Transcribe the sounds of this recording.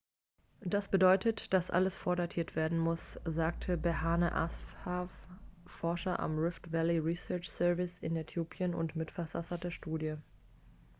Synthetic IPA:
d̥asb̥ədɔʏtʰətd̥asʔa̰ləsfoːɐdatʰiːɐtv̥eːɐdn̩mʊszaːk̚tʰəbɛhaːnəʔa̰sfhaffɔɐʃɐʔa̰mʁɪftv̥ɛliʁisœɐt͡ʃsœɐvɪsɪ̰netʰjoːpʰjənʊ̰ntmɪtfɛɐzasɐtdeːɐʃtuːdjə

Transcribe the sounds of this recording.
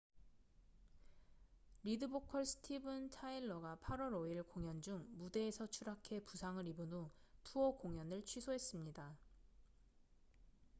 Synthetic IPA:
ɾidɯbokʰʌɭsʰɯ̥tʰibɯntʰaiɭːʌɡapʰaɾwʌɾoiɭkoŋjʌnd͡ʑuŋmude̞ːsʰʌt͡ɕʰuɾakʰe̞pusʰaŋɯɾibunotʰuʌkoŋjʌnɯɭt͡ɕʰwisʰoɦe̞s͈ɯmɲida

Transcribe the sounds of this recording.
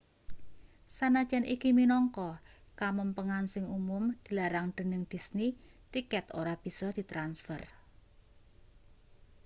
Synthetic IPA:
sanḁd͡ʒ̥a̤nikiminɔŋkɔkaməmpəŋansɪŋumʊmd̪̥i̤laɾaŋd̪̥ə̤nɪŋd̪̥i̤sni | t̪ikɛt̪oɾab̥i̤sɔhd̪̥i̤t̪ɾansfər

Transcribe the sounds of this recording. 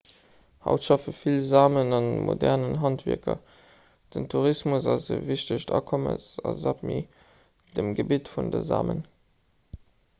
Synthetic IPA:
hɑ̰ʊtʃɑfəfilzaːmənɑnəmʔodɛʁnənɦɑntvḭɐkʰɐ̰ | d̥əntʰuʁismusɑzəviɕtəɕtʰɑ̰ːkʰoməsɑ̰zap̚mi | d̥əmɡəbitfundəza̰ːmən

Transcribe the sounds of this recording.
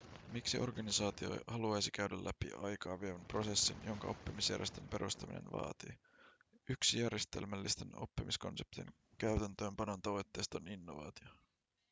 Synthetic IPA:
miksiʔo̞rɡɑnisɑːt̪io̞̰jhɑluɑjsik̟æɥdælːʔæpḭɑjkɑːʋieʋæmpro̞se̞sːinjo̞ŋkɑ̰o̞pːimisjæ̰ɾrjest̪e̞mpe̞ɾʔust̪ɑmḭnḛnʋɑ̰ːt̪i | yksijærjest̪e̞̰lmælːist̪enopːimisko̞̰nse̞p̚t̪ḭn | kæyɥt̪ænt̪ø̞ːmpɑno̞nt̪ɑʋo̞jt̪ːe̞jst̪oninːo̞ʋɑ̰ːt̪io

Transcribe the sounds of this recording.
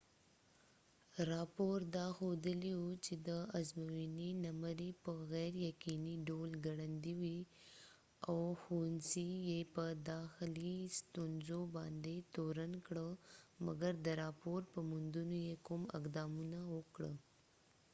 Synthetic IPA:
ɾɑpoɾd̪ɑxod̪əliwut͡ʃed̪əazmawininamaɾipəɣɛjɾjakiniɖolɡaɽand̪iwi | awxonsijepəd̪ɑxɪlist̪unzobɑnd̪et̪oɾankɽəma̰ɡaɾd̪əɾɑpoɾpəmʊnd̪unojekʊmɪ̰qd̪ɑmunawəkɽə̰

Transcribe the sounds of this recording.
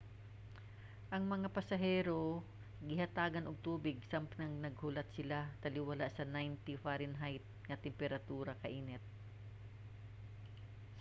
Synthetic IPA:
ʔɐŋmɐŋapɐsɐɦɛːɾo̞ | ɡɪɦɐt̪aːɡɐnoɡ̚t̪uːbɪɡ̚sampnɐŋnɐɡ̚hʊlat̪sɪlat̪ɐlɪwɐlaʔsɐnajnt̪ifaɾɪnɦajt̪̚ŋɐt̪ɛmpɛɾɐt̪uːɾɐkɐʔiːnɛt̪̚

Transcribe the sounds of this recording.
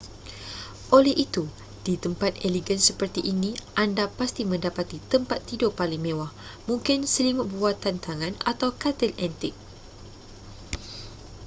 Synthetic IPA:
ʔolɛhʔit̪u | d̥it̪əmpat̪eliɡənsəpərt̪iʔinĩʔandapast̪imə̃ndapat̪it̪əmpat̪ːidopalɪŋmẽwahmũŋkɪnsəlimʊʔ̚buat̪ant̪aŋãna̰t̪awkat̪əlɛnt̪ɪk̚

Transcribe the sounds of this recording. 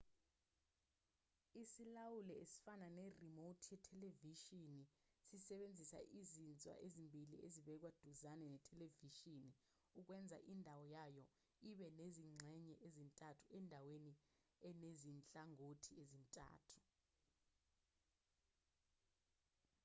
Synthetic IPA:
isilawulɛesi̥fananɛrimotʰijɛtʰɛleviʃinisisɛɓend͡zʱisa̰ʔizint͡sʼwa̰ʔezimbʱilḭʔeziɓɛk̬wad̥ʱuzanɛnɛtʰɛleviʃini | uk̬wɛnd͡zʱa̰ʔindʱawɔjajɔ | iɓɛneziŋ͡ǀʱɛɲɛʔezintʼatʰuʔɛndʱaweni | ɛnezint͡ɬʼaŋotʰiezintʼa̰ːtʰu̥

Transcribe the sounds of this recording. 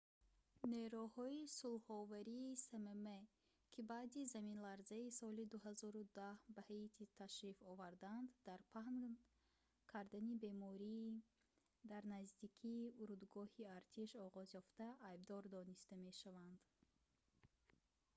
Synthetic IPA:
neɾuhɔisulhɔvaɾiːsememe | kʲʰibaːd̪izaminlaɾzaisɔlid̪uɦazɔɾud̪ahbahat̪ʰit̪ʰaʃɾifɔvaɾd̪and̪ːaɾpʰahn | kʰaɾd̪anibe̞mɔɾi | d̪aɾnazd̪ikʰiːuɾud̪ɡɔhiaɾt̪ʰiʃɔʁɔzjɔft̪aʔːjbd̪ɔɾd̪ɔnist̪ame̞ʃavand̪̥

